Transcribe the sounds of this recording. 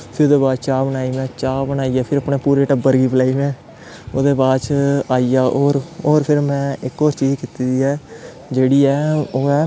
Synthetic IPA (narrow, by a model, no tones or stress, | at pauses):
pʰɪɾd̪eːbaːd̪t͡ʃaːbənaːiːmɛ̃ːt͡ʃaːbənaːiːɛːpʰɪɾəpɳeːpuːɾeːʈəbəɾɡiːpəlaːiːmɛ̃ː | oːd̪eːbaːt͡ʃaːiːaːʔoːɾoːɾpʰɪɾmɛ̃ːɪkoːɾt͡ʃiːd͡ʒkiːt̪iːd̪iːɛː | d͡ʒeːɽiːɛːoːɛː